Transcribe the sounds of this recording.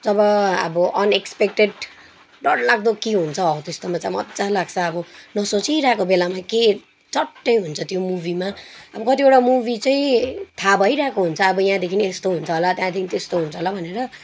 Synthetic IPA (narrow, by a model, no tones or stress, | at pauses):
d͡zʌbʌʌ̰bʌʔʌnekspekʈeɖ | ɖʌɽlaɡ̚d̪okeɦunt͡sʰʌʌt̪est̪omat͡samʌ̰t͡salaɡt͡sʰʌːbʌnʌsot͡siɾʌɦekobelamake | t͡sʌʈːʌjɦunt͡sʰʌt̪jomubʱimaʌbʌkʌt̪ioʈamubit͡sʌĩt̪ʰabʱʌjɾaɦekoɦunt͡sʰʌːbʌjɦãd̪ekʰineest̪oɦunt͡sʰʌɦolat̪jãd̪ikinit̪est̪oɦunt͡sʰʌɦolabʱʌneɾʌ